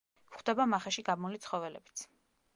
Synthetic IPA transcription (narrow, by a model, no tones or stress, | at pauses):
kχd̪̥ɛbamaχɛʃiɡabmulit̪sʰχɔvɛlɛbi̥t̪sʰ